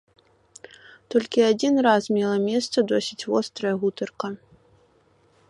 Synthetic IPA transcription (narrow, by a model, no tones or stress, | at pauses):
t̪ɔlʲkʲiad͡zʲinrasmʲɛlˠɐmʲɛst̪sɐd̪ɔsʲit͡sʲvɔst̪ɾɐjɐɣut̪ɐrkɐ